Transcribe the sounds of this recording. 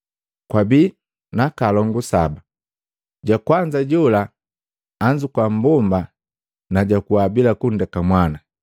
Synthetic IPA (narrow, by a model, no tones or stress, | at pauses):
kwabiː | nakalɔŋɡusaba | ɟakwaɲd͡ʒaɟɔlaː | ɲd͡ʒukwam̩bɔmba | naɟakuabilakundɛkamwana